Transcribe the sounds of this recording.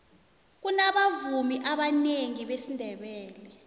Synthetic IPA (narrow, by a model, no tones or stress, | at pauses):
k̬unaɓavumiʔaɓaneŋiɓesindʱɛɓɛːlɛ